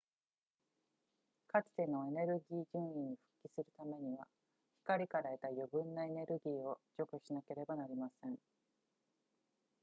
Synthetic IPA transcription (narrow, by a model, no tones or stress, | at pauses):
kat͡sɨ̥t̪e̞no̞e̞ne̞ɾɯ̟ɡʲiːʑɨ̃ɰ̃ĩɲːiɸɯ̟̥kʲːisɨɾɯ̟t̪ame̞ɲ̟iβa̰ | çi̥kaɾʲikaɾaet̪ajobɯ̟̃nːae̞ne̞ɾɯ̟ɡʲiːo̞d͡ʑo̞kɯ̟ɕinake̞ɾe̞banaɾʲimasẽ̞ŋ